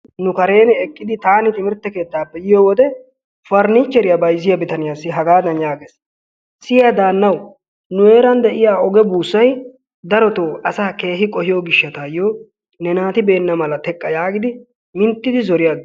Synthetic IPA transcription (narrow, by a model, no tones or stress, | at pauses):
nʊkɐɾe̞ːnɛɛkʼːɪd̪ɪt̪aːnɪt̪ʼɪmɪɾt̪ːɛke̞ːt̪ːaːpːɛjɪjoːwɔd̪ɛ | fɐɾniːt͡ʃːɛɾɪjɐbɐjzɪjɐbɪt̪ɐnɪjaːsːɪɦɐɡaːd̪ɐnjaːɡeːs | sɪjɐd̪aːnːɐw | nʊe̞ːɾɐnd̪ɛʔɪjaːɔɡɛbuːsːɐj | d̪ɐɾɔt̪oːʔɐsaːke̞ːɦɪkʼɔhɪjoːɡɪʃːɐt̪aːjːoː | nɛnaːt̪ɪbe̞ːnːɐmɐlɐt̪ɛkʼːɐjaːɡɪd̪ɪ | mɪnt̪ːɪd̪ɪzɔɾɪjaɡ